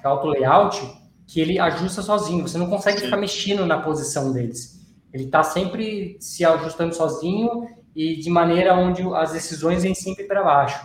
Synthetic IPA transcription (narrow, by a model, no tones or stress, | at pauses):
awt̪ʊlejawt͡ʃɪ | kɪelɪʔaʒust̪ɐsɔzĩɲʊvosenɐ̃w̃kõsɛɡɪfi̥kaɾmeʃĩnʊnɐpozisɐ̃w̃d̪elɪs | elɪt̪asẽmpɾɪsɪaʒust̪ɐ̃nd̪ʊsɔzĩɲʊ | ɪd͡ʒɪmɐ̃nejɾɐõd͡ʒɪɐzd̪esizõj̃zvẽj̃sẽmpɾɪpɾabaʃʊ̥